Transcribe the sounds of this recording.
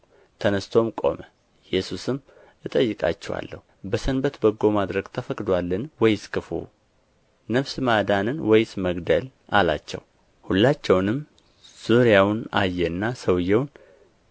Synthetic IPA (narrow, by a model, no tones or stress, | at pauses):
t̪ʰənəst̪ʰo̞mkʼo̞̰mə | jɛsusɨm | ɨt̪ʼəjːɨkʼa̰t͡ʃːɛwa̰lːə̰hu | bəsənbət̪bəɡːo̞mad̪ɾəɡt̪ʰəfəkʼd̪walːɨnwɔjɪskʰɨfṵ | nəβsɨmad̪anɨnwɔjsməɡd̪əl | ʔala̰t͡ʃːɛ̰w | hulːat͡ʃːɛwnɨm | z̥uɾjawna̰jːɛnːasəwjːɛwn